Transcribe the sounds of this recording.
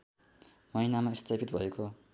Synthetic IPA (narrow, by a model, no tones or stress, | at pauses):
mʌjnamaist̪ʰapʰit̪̚bʱʌeko